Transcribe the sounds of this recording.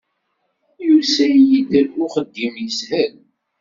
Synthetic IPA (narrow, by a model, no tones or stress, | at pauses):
julsæjjid̪əlʊχəd̪ːimjəshæl